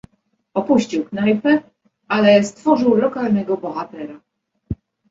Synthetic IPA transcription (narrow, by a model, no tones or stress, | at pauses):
ɔpuɕt͡ɕiwknajpɛ | alɛst̪fɔʐɘwlɔkalnɛɡɔbɔxat̪ɛɾa